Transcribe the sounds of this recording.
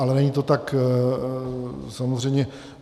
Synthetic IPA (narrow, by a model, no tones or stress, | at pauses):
alɛnɛɲiːt̪o̞t̪ak | samozr̝ɛjmɲɛ